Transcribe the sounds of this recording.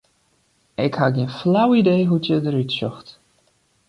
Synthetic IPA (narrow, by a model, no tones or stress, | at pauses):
ɪkhaɡiənflawidejɦutjədəɾytsɔxt